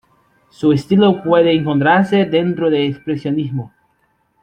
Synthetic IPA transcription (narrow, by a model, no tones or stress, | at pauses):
suest̪ilopweðeːŋkont̪ɾaɾsed̪ent̪ɾoðeːkspɾesjonizmo